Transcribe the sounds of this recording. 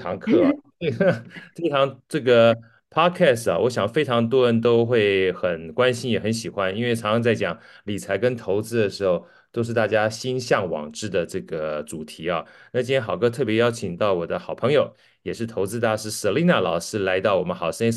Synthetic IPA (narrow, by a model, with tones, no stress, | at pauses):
ɑ˧˥ŋkʰɤ˥˩˨ | e˥˩ə˥˩fe˥ʈ͡ʂʰɑ˧˥ŋʈ͡ʂɤ˥˩ɡə˩ | pʰɑ˥kʰɛ˥˩sɐ̰˩wɔ˧˥ɕjɑ˨˩ŋfe˥ɪʈ͡ʂʰɑ˧˥ŋt̪̬wɔ˥ɻə˧˥nt̪̬o˥ʊxwe˥˩ɪxə˨˩nkwa˥nɕi˥njɛ˨˩xə˧˥nɕi˨˩xwa˥ni˥nwe˥˩ɪʈ͡ʂʰɑ˧˥ŋʂɑ˧˥t͡sa˥˩ɪt͡ɕjɑ˨˩ŋli˨˩t͡sʰa˧˥ɪkə˥nt̪ʰo˧˥ʊt͡sɹ̩˥d̪ə˨ʂɻ̩˧˥xo˥˧˩ʊ | t̪o˥ʊʂ̬ɻ̩˥˧t̪a˥˩t͡ɕja˥ɕi˥nɕjɑ˥˩ŋwɑ̰˨˩ŋʈ͡ʂɻ̩˥˩d̪ə˩ʈ͡ʂɤ˥˩ɡə˩ʈ͡ʂu˨˩t̪ʰi˧˥ɐ˧na˥˩t͡ɕi˥nʰjɛ˥xɑ˨˩ʊkʰɤ˥t̪ʰɤ˥˩pjɛ˧˥jɑ˥ʊt͡ɕʰi˨˩ŋt̪ɑ˥˩ʊwɔ˨˩d̪ə˦xɑ˨˩ʊpʰɤ˧˥ŋjo˨˧ʊ | jɛ˨˩ʂɻ̩˥˩t̪ʰo˧˥ʊt͡sɹ̩˥t̪ʰa˥˧ʂɻ̩˥˩sɤ˨˩li˥˧na˥˩lɑ˨˩ʊʂɻ̩˥la˧˥ɪt̪ɑ˥˩ʊwɔ˨˩mə˦nxɑ˨˩ʊʂə˥n